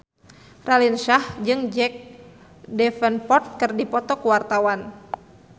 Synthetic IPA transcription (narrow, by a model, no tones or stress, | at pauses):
ralinʃahd͡ʒɨŋd͡ʒɛk̚ | dɛfənpɔt̪̚kɨrdipɔt̪ɔkuwart̪awan